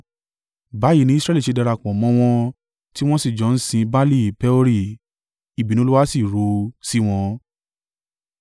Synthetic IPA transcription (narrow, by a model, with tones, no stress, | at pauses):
ba˨˦ji˨˦nĩ˦sɾɛ˧˦li˦˨ʃe˧dɛ˧ɾa˧˨k͡pɔ̃˨mɔ̃˨˦w̃ɔ̃˧ | ti˦w̃ɔ̃˦si˦˨d͡ʒɔ̃˨˦n̩˦sĩ˧ba˦li˦˨pɛ˦o˧ɾi˦˨ | i˨bi˨nũ˨˦u˦wa˦si˦˨ɾo˧si˦w̃ɔ̃˧